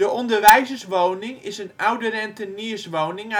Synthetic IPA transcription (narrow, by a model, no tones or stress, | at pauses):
dəʔɔndərʋɛjzəsʋownɪŋɪsənawdərɛntəniəsʋoːnɪŋ